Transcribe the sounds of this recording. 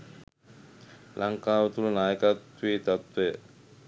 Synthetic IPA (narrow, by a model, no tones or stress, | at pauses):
lʔaŋkaːʋət̪ulənaːjəkat̪ʋiːt̪at̪ʋejə